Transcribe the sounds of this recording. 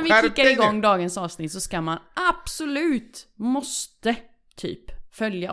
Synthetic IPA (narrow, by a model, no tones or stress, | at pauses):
ʋɪɪkːaɾɾɪɡɔŋːd̪ɑːɡənsɑːvsnɪt̪sɔskamanʔab̥sʊlʉ̟ːt̪mɔst̪ə | t̪ʰːy̰ːpfœlja